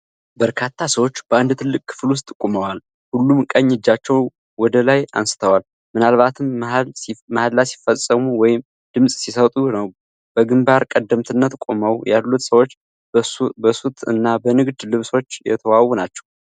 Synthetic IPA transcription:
bəɾkʰat̪ʰːasəwo̞t͡ʃːb̥əand̪t̪ʰɨlːɨkʼkʰːɨ̥flwʊs̬t̪ʼːɨkʼːuməwal | hulːumkʼəɲːɨd͡ʒːat͡ʃːɛw | wɔd̪əlaja̰nsɨ̥t̪ʰəwal | mɨnalβat̪ʰɨm | mahad̪lasi̥fəsʼəmuwɔjɪm | d̪̥ɨmsʼsisət̪ʼunəw | b̥əɡɨmbaɾkʼəd̪ːəmt̪ʰɨnːət̪kʼoməwjalːut̪səwo̞t͡ʃː | əsut̪ʰɨ̰nːabənɨɡd̪lɨβso̞t͡ʃːjɛ̰t̪ʰəwawːɔnat͡ʃːɛ̥w

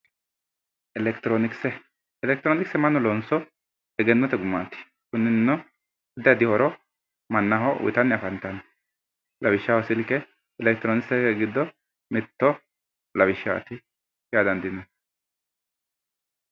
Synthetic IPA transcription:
ɛlɛkt̪ɾonɪksɛ | ɛlɛk̚t̪ɪɾonɪksɛmɐnːɔlɔnsɔ | ɛɡɛnːɔt̪ɛɡʊmːa̰ːt̪ːɪ̥ | kʊnːɪnnːɔ | ɛd̪ɐd̪ɪhɔɾɔ | mɐnːɐɦɔ̰wɪ̰t̪ɐnːɪɐfɐnt̪ɐn | lɐbɪʃːawɔsɪlkɛ | ɛlɛk̚t̪ɾonɪksɛkɛɡɪd̪ːɔ | mɪt̪ːɔ | lɐbɪʃːaɐ̰t̪ɪ | jaːd̪ɐnd̪ɪnɐn

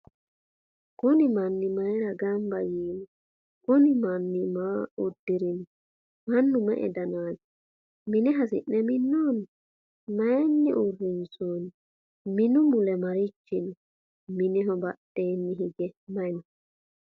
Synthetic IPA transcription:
kɔnɪmɐnːɪmɐɛɾɐɡɐmbɐjiːnʊ | kɔnɪmɐnːɪmaːud̪ːɪɾɪn | mɐnːʊmɛ̰ʔɛ̰d̪ɐnaːd͡ʒɛ̥ | mɪnɛɦɐsɪ̰ʔnɛmɪnːɔn | mɐjanːɛʔurːɪnsun | mɪnʊmʊlɛmɐɾɪt͡ʃːɪnʊ | mɪnɛɦɔbɐtːeːnːɪɦiɡɛmɐjnɔ

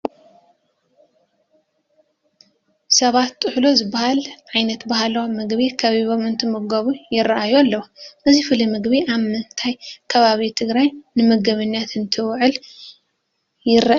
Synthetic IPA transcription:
sɐβat̪t̪ʼɨħlozɨbːahalʕajnɐt̪bahalomɨɡβikʰɐβiβo̞mɨnt̪ʰɨmɨɡɐβujɪɾɐʔajualːɐwuʔɨzifɨlimɨɡbiaβmɨnt̪ʰajkʰɐβaβit̪ʰɨɡɾajnɨmɨɡɐβɨnːjat̪ɨnt̪ʰɨwʕɨl | jɪra

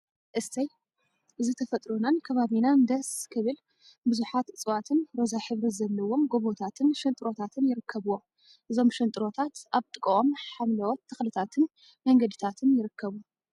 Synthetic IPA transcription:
ʔɨst̪ʰɐj | ʔɨzɨt̪ʰɐfɐt̪ʼɾonankʰɐβaβinand̪ɐskʰɨβɨl | bɨzuħat̪ɨt͡sʼɨwat̪ʰɨnɾo̞zaħɨβɾɨzɐlːɐwo̞mɡo̞βot̪ʰat̪ʰɨnʃɐnt̪ʼɨɾo̞t̪ʰat̪ʰɨnjɪɾɨkʰːɐβuwom | ʔɨzo̞mʃɐnt̪ʼɨɾo̞t̪ʰat̪ʔaβt̪ʼɨkʼɐomħamlɐwot̪ʰːɨxlɨt̪ʰat̪ʰɨn | mɐŋɡɐd̪ɨt̪ʰat̪ʰɨnjɪɾɨkʰːɐβu

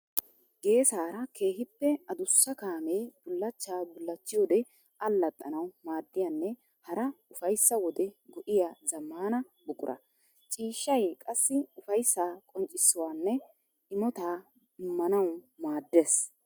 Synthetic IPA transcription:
ɡe̞ːsaːɾɐkʰe̞ːɦɪpːɛɐd̪ʊsːɐkaːmeːb̥ʊlːɐt͡ʃːaːbʊlːɐt͡ʃːɪjoːd̪ɛ | ɐlːɐt̪ʼːɐnɐwmaːd̪ːɪjanːɛ | hɐɾɐʊfɐjsːɐwɔd̪ɛɡɔʔɪjazɐmːaːnɐ | bʊkʼʊɾʔɐ̰ | t͡ʃʼiːʃːɐjkʼɐsːɪʊfɐjsːaːkʼɔnt͡ʃʼɪsːɔwaːnːɛ | ɪmɔt̪aː | ɪmːɐnɐwmaːd̪ːeːs

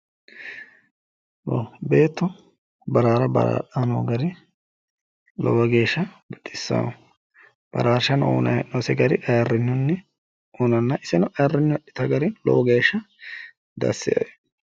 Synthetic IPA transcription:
wobe̞ːt̪ːɔ | bɐɾaːɾɐbɐ̰ɾa̰ːᶑanoːɡɐɾɪ | lɔ̰wɐɡe̞ːʃːɐbɐt̪ʼːɪ̥sːɐ̰ | b̥ɐ̰ɾaːɾʃɐno̰ːnɐnosɛɡɐɾɪʔɐjɐrːɪnːʊnːɛ | unɐnːɐʔɪsɛnɔʔɐjɐrːɪnːʊɐɗːɪ̥t̪ɐɡɐɾɪlɔ̰wɐɡe̞ːʃːɐ | d̪ɐ̰sːɪ̰

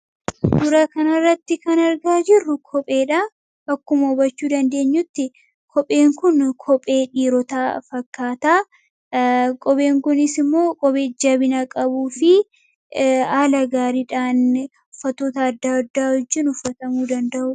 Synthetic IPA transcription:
d̪ʊɾɐkɐnɐrːɐt̪ːɪkɐnɐɾɡaːd͡ʒɪrːʊkʰɔpʼe̞ːᶑa | ɐkːʊmɐʊbɐt͡ʃːuːd̪ɐnd̪e̞ːɲːʊt̪ːɪ | kʰɔpʼe̞ːŋkʊnkʰɔpʼe̞ːᶑiːɾɔt̪aːfɐkːaːt̪aː | kʼɔbe̞ːŋkʊnɪsɪmːo̞ːkʼɔbe̞ːd͡ʒɐbɪnɐkʼɐbuːfɪ | aːlɐɡaːɾiːᶑaːn | ʊfːɐt̪ːoːt̪ɐːd̪ːaːd̪ːaːhʊd͡ʒːɪnʊfːɐt̪ɐmuːd̪ɐnd̪ɐʔʊ

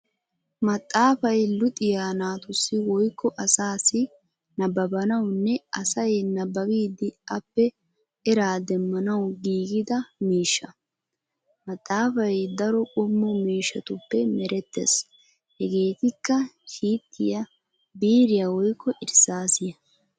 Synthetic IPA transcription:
mɐt̪ʼːaːfɐjlʊt̪ʼɪjaːnaːt̪ʊsːɪwɔjkʰːɔʔɐsaːsɪ | nɐbɐbɐnɐwnːɛɐsɐjnɐbːɐbiːd̪ɪɐpːɛ | ɛɾaːd̪ɛmːɐnɐwɡiːɡɪd̪ɐmiːʃːɐ | mɐt̪ʼːaːfɐjd̪ɐɾɔkʼɔmːɔmiːʃːɐt̪ʊpːɛmɛɾɛt̪ːɛ̰s | hɛɡe̞ːt̪ɪkːɐʃiːt̪ʼːɪjɐ | biːɾɪjɐwɔjkːɔʔɪɾsaːsɪjɐ

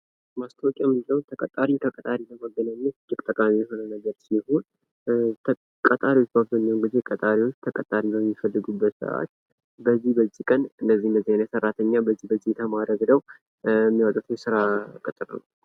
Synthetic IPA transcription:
mast̪ʰəwkʼjamiləwnt̪ʰəkʼət̪ʼːaɾit̪ʰəkʼət̪ʼaɾiləməɡːənaɲːət̪ɡɨbt̪ʼəkʼamijɛho̞nənəɡəɾsiho̞nʰ | kʼət̪ʼaɾiwot͡ʃːbabzənːəwnɡɨzekʼət̪ʼaɾiwo̞t͡ʃːt̪ʰəkʼət̪ʼaɾibəmːifəlːɨɡubːət̪sɨɾa̰a̰t̪ː | bəzːihbəzːikʼənɨndəzːihnəziajnəsərːat̪ʰəɲːabəzːihbəzit̪ʰəmaɾəɡnəw | ɛmːijawt̪ʼɨt̪ʰjɛsɨɾakʼɨt̪ʼɨɾnə̰w

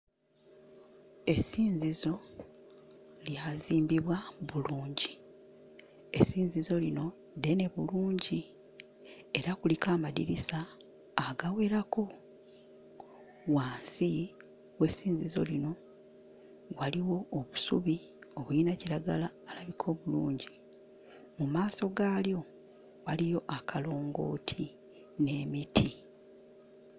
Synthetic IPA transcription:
e̞siːɲzizo̞ | ljaːziːmbiβwaβuluːɲɟi | e̞siːɲzizo̞lino̞ | de̞ne̞βuluːɲɟi | e̞ɾakulikaːmadḭɾisaː | ɡawe̞ːɾako̞ | waːnsi | we̞siːnzizo̞̰lino̞ | waliwo̞ːβusuβio̞βuinaciɾaɡalaːlaβikʰo̞ːβuluːɲɟi | mumaːso̞ɡaːljo̞ | walijo̞ʔakʰalo̞ːŋɡo̞̰ːtʰi | ne̞ːmitʰi

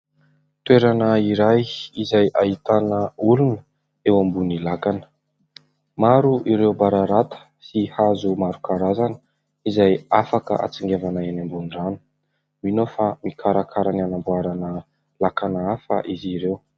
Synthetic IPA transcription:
t̪weɾanəiɾajizajʔait̪anəulunə | ewambunilakanə̥ | maɾuʔiɾewbaɾaɾat̪ə̥ | sihazumaɾukʰaɾazanə̥ | izajafakə̰ʔa̰t͡siŋɡevanaenambuniran | minofamikʰaɾakʰaɾananambuaɾanə | lakanaafa̰ʔiziɾew

